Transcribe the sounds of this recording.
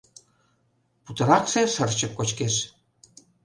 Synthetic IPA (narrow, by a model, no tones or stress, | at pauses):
put̪ɤ̆ɾɑkseʃərt͡ɕə̆p̚kot͡ɕkeʃ